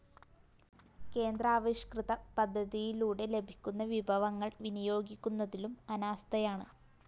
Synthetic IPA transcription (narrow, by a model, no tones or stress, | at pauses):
ke̞ːnd̪raːʋiɕɐ̥krɨðɐpɐd̪ʱːɐðijiluːɽe̞le̞bʱi̥kʲːunːɐʋibʱɐʋɐŋːɐɭʋinijo̞ːɡikʲːunːɐðilumɐnaːst̪ʰɐjaːɳɨ